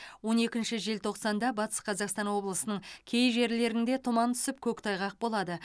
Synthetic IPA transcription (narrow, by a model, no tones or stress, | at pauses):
wo̞ne̞kʲɪnʃɪʒe̞lt̪ʰo̞qsɑnd̪ɑbɑt̪ə̥sqʰɑzɑqst̪ɑnwo̞blˠəsənəɴkʲʰe̞jʒe̞ɾle̞ɾɪnd̪e̞t̪ʰʊmɑnt̪ʰʏ̥sɪp̚kʲʰɵkt̪ʰɑjʁɑq̚bo̞lˠɑd̪ə